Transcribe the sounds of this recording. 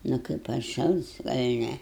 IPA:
ˈnʊ kɐɪp ɐtˈʃɐlˠs ɡɐlʲ ˈnʲɛ

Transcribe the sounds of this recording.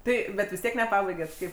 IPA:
ˈtɐɪ bʲɛt ʋʲɪs ˈtʲiɛk nʲɛˈpɑːbɐɪɡʲɛt ˈkɐɪp

